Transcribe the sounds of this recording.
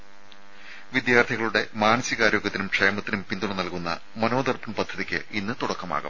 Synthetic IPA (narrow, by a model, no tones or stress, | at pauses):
ʋid̪jaːrt̪ʰiɣɐɭuɽe̞maːnɐsiɣaːɾjo̞ːɡjɐt̪ːinumʈʂɐjɐmɐt̪ːinumpind̪uɳɨnɐlkunːɐ̰ | mɐno̞ːd̪ɐrpɐnpɐd̪ʱːɐðikʲːɨ̰inːɨt̪uɽɐkːɐma̰ːɣɐ̰m